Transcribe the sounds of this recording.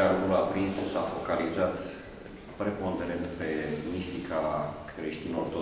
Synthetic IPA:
aɾukuapɾinssafo̞kalizat̪ | pɾepo̞nd̪eɾent̪pe̞mist̪ikakɾeʃt̪inort̪o

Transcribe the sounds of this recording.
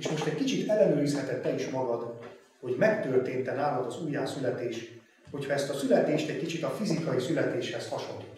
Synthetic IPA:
eːʃmo̞ʃt̪ɛɟkit͡ʃit̪ɛlːɛnøːɾishɛt̪ɛt̪ːɛliʃmɒɡɒd̪ | ho̞ɟmɛkt̪ørt̪eːnt̪ɛnaːmod̪ɒzuːjːaːsylɛt̪eːʃ | ho̞cʰhɒɛst̪ɒsylɛt̪eːʃt̪ɛckit͡ʃit̪ɒfizikɒjisylɛt̪eːʃhɛshɒʃo̞nlːit̪ː

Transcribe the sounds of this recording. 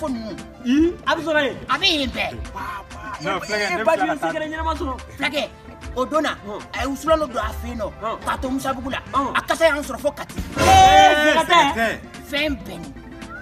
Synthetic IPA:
fonĩnũ | iabɛs̬ɔɾɔjeabɛjẽbɛ | ebad͡ʒĩsẽkɛɾẽɲɛnɛmasɔɾɔflakɛ | odõnaajeusulãnodõafẽnɔkatomusabuɡula̰akasajãsɔɾɔfokati | akatɛ | fɛ̃bɛnĩ

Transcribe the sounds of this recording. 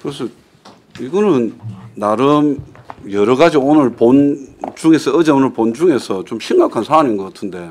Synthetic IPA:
kɯɾes̬ʰʌ | iɡʌnɯnːaɾɯmjʌɾʌɣad͡ʑionɯɭpont͡ɕuŋe̞sʰʌɯd͡ʑʌonɯɭpond͡ʑuŋe̞sʰʌt͡ɕomɕʰimɡakʰansʰaːninɡʌk͈atʰɯnde̞

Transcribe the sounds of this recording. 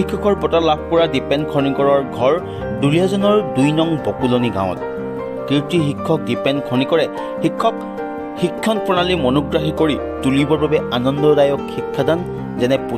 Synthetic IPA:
ikʰːɔkɔɹpɔtalab̚ʱkpɔɹadipɛndkʰɔnikɔɹɔɹɡʱɔɹ | duɹiazɔnɔɹdujnɔŋbɔkulɔniɡã̰w̃t | kiɹtiɦikʰːɔk̚dipɛndkʰɔnikɔɹɛ | xikʰːɔk | hikʰːɔnpɔnalimɔnɔɡɹaɦikoɹi | tulibɔɹbabɛanɔndɔdajɔkxikʰːadan | zɛnɛpu

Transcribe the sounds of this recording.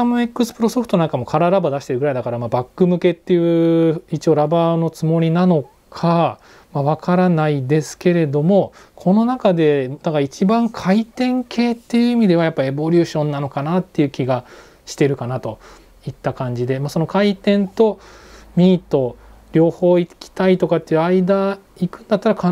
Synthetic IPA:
amɯe̞kːɯ̟sɨ̥pɯ̟ɾo̞so̞ɸɯ̥t̪o̞nãŋkamo̞kʰaɾaɾabad̪aɕi̥t̪e̞ɾɯɡɾaid̪akaɾamabakːɯ̟mɯ̟ke̞t̪ːe̞jɯ̟it͡ɕio̞ɾabano̞t͡sɨmo̞ɾʲinano̞ | kʰa | maβ̞akʰaɾanaid̪e̞sɨ̥ke̞ɾe̞d̪o̞mo̞kʰo̞no̞nakad̪e̞d̪akait͡ɕibãŋkʰait̪ẽ̞ŋkʰe̞ːt̪ːe̞jɯ̟ːimʲid̪e̞βajapːaie̞bo̞ɾʲɯːɕõ̞nːano̞kanat̪ːe̞jɯ̟ːkʲiɡa | ɕi̥t̪e̞ɾɯ̟kanat̪o̞ | it̪ːakãɲ̟d͡ʑid̪e̞maːso̞no̞kait̪ẽ̞nt̪o̞mʲiːt̪o̞ɾʲo̞ːho̞ːikʲi̥t̪ait̪o̞kat̪ːe̞jɯ̟aid̪aikɯ̟̃nd̪at̪ːaɾaka

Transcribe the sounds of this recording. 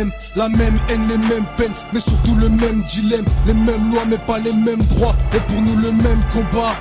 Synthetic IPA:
m | lamɛmɛnlemɛmpɛnmɛsyʁt̪uləmɛmd̪ilɛmlemɛmlwamɛpalemɛmd̪ʁwaepuʁnuləmɛmkɔ̃ba

